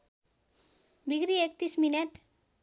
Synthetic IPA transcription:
biɡɾiek̚t̪ismineʈ

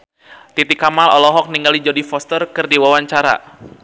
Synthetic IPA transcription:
t̪it̪ikamalɔ̰lɔɦɔk̚niŋɡalid͡ʒɔdifɔst̪ərkɨrdiwawaɲt͡ʃaɾa̰

